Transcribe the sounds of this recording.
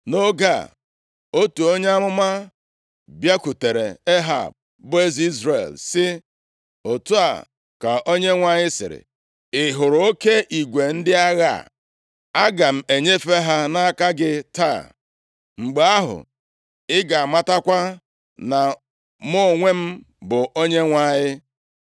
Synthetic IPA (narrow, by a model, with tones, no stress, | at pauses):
no˦ɡa̰˦˨ | o˦tu˨o˦ɲe˦a˦mʊ˦ma˦ | bja˦ku˨te˨ɾḛ˨e˦ɦa̰˦˨b̚ | bʊ˦e˦zi˦zɾḛ˨lsɪ˦ | o˨tu˦a̰˨ | ka˨ʔo˦ɲe˦ŋʷa˨ɲɪ˦sɪ̰˨ɾɪ̰˨ | ɪ˨ɦʊ˨ɾʊ˨o˦ke˦ʔi˨ɡʷe˨n̩˦dɪ˦a˦ɣa̰˦˨ | a˦ɡa˨m̩˨e˨ɲe˦fe˦ɦa˦na˦a˦ka˦ɡɪ˦ta˦˨ | ŋ͡m̩˨ɡ͡be˨a˦ɦʊ̰˨ | ɪ˦ɡa˨a˨ma˦ta˦kʷa˦ | na˨ | mo˦˨ŋʷe˦m̩˦ | bʊ˨o˦ɲe˦ŋʷa˦ɲɪ˦